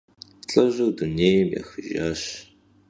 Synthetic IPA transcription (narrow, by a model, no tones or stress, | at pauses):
t͡ɬʼɐʑɐwduneːjmja̰ːxɨʒa̰ːɕ